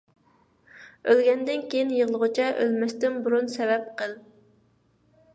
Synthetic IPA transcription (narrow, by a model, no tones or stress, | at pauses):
ølɡʲɛnd̪ɪnkʲʰejinjəʁlˠəʁʊt͡ʃʰɛʔø̰lmɛst̪ɪmbuɾunsɛvɛp̚qʰəlˠ